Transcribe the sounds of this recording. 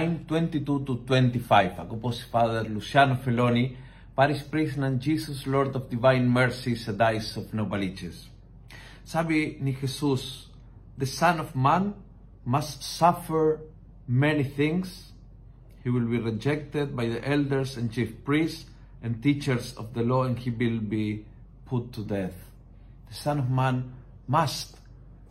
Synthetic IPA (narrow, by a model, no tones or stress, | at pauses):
jnt̪wɛ̃nt̪it̪ut̪ut̪wɛ̃nt̪ifajfa̰ɡoposfaðəɾlusjanofeloni | paɾispɾisnãnd͡ʒisusloɾd̪ɔvd̪ivãjnmɛɹsised̪ajsɔvnobalit͡ʃḛsː | aβinixesus | ðəsãnɔvmãn | mast̪safəɹ | mɛniθɪ̃ŋs | hiwilbirid͡ʒɛk̚t̪ed̪̚bajðiʔɛld̪əɹsãnt͡ʃifpɹist | ɛ̃nt̪it͡ʃəɾsɔ̰vðəloãnhiwilbi | pʰut̪ʰːud̪ɛθ | ð̥əsãnɔvmãn | mast̪